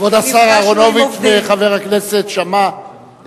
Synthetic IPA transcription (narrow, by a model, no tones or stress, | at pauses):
vod̪asaʁaʁono̞vit̪veχave̞ʁakne̞se̞t̪ʃama